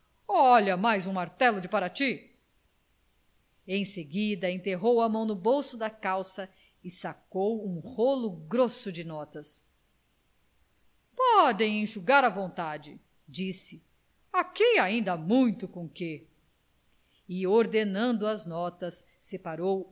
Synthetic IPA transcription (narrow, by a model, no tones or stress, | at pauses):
ɔʎɐmajzũmaɾt̪ɛlʊd͡ʒɪpaɾat͡ʃi | ẽj̃seɡid̪ɐẽt̪eɦowɐmɐ̃w̃nʊbowsʊd̪ɐkawsɐ | ɪsakowũholʊɡɾosʊd͡ʒɪnɔt̪ɐs | pɔd̪ẽj̃ẽʃuɡaɾɐvõnt̪ad͡ʒɪ | d͡ʒisɪ | akiaĩnd̪ɐmũj̃t̪ʊkõke | ɪoɾd̪enɐ̃nd̪ʊɐznɔt̪ɐsː | epaɾow